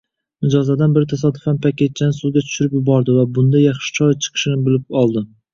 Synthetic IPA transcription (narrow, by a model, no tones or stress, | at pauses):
nɪd͡ʒɒzad̪anbɪɾɪt̪ʰas̬ɒd̪ʊfanpʰakʲe̞t̪̚t͡ʃʰanɪsʊzɡʲat̪ʰʊ̥ʃʊɾɪpjʊbɒɾd̪ɪvabʊnd̪ajɑχʃɪ̥t͡ʃʰɒjt͡ʃʰɨ̥qʰɨ̥ʃɪnɪbɪlɪp̚ɒlˠd̪ɪ